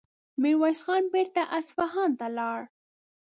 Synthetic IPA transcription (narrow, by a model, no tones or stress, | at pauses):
miɾwɑjsxɑnbeɾt̪aʔasfaɦɑnt̪alɑɽ